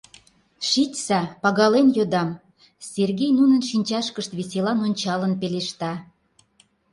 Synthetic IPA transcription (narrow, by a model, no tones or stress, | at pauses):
ʃitʲsɑpɑɣɑlenjod̪ɑm | sʲerɣʲejnunənʃinʲt͡ɕɑʃkəʃt̪βeselɑnonʲt͡ɕɑlənpeleʃt̪ɑ